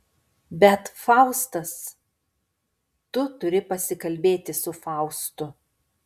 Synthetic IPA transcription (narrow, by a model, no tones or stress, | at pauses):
bʲɛt̪fɑˑʊst̪ɐs | t̪ʊt̪ʊɾʲɪpɐsʲɪkɐlʲbʲeːt̪ʲɪsʊfɑˑʊst̪ʊ